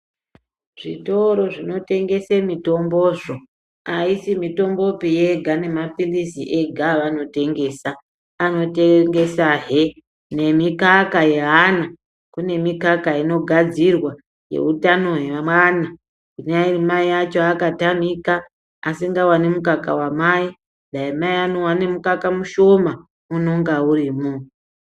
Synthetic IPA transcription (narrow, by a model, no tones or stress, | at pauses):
ʐ̥ḭto̞ɾo̞ʐino̞te̞ŋɡe̞semito̞mbo̞ʐo | aisimito̞mbo̞pije̞ɡʱane̞mapilisiʔe̞ɡʱaʋano̞te̞ŋɡe̞ːsaː | no̞teŋɡe̞saɦe | ne̞mikakaje̞ɦana | kune̞mikakaino̞ɡʱad͡zirwa | je̞̰utano̞ɦeamwana | inairimaiat͡ʃo̞akatamika | asiŋɡawanemukakawamai | daimaiano̞wane̞mukakamuʃo̞ma | uno̞ŋɡauriːmu